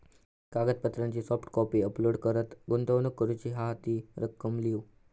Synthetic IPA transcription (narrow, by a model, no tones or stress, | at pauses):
kaɡət̪̚pət̪ɾãɲt͡ɕiːsɔfʈkɔpiəploɽkəɾət̪ɡunt̪əʋnəkːəɾut͡ɕiːɦaɦat̪iːɾəkːəmliʋu